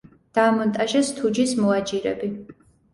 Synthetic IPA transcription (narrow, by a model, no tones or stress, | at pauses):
d̪̥aːmɔnt̪ʼaʒɛst̪ʰud͡ʒismɔad͡ʒiɾɛ̰bi